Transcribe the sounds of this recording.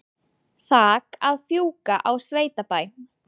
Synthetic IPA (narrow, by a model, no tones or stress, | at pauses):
θaːkaðfjuːkaʔawsveːjt̪apaːj